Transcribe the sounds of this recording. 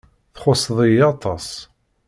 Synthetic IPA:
θχʊsˤðˤijɑt̪ˤɑs

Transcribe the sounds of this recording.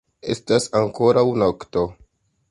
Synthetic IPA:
e̞̰stasaŋko̞ɾawnokto

